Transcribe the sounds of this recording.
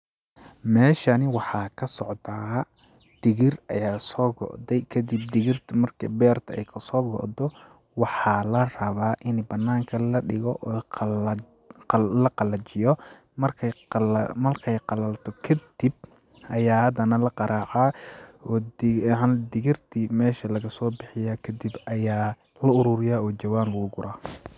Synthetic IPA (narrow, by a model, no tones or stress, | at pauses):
mɛːʃɐnɪwɑħɑːkʰɐsɔʕd̪aː | d̪̥ɪɣɪrʔɐ̰jaːsɔːɡɔ̰ʔd̪ɛjkʰɐd̪ib̚d̪ɪɣɪrt̪ʰmɐrkʰɐbɛːrt̪ʰɐɛjkʰɐsɔːɡɔ̰ʔd̪ɔ | wɑħɑːlɐrɐβaːʔɪnbɐnːaːŋkʰɐlɐɖɪɣɔʔɔ | lɐqɑlɐt͡ʃɪjɔ | mɐrkʰ | mɐrkʰɛjqɑlɐlt̪ʰɔkʰɐd̪ib̚ | ʔɐjaːhɐd̪ɐnɐlɐqɑɾaːʕaːɔːɐnd̪ɪɣɪrt̪ʰimɛːʃɐlɐɣɐsɔːbɪħɪjaːkʰɐd̪ibʔɐjaː | lɐʊɾʊɾɪjaːɔːt͡ʃɐwaːnlɐɣʊɡʊɾʔaː